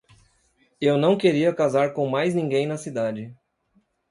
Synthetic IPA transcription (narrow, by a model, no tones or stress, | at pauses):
ewnɐ̃w̃keɾiɐkazaɾkõw̃majznĩŋɡẽj̃nɐsid̪ad͡ʒɪ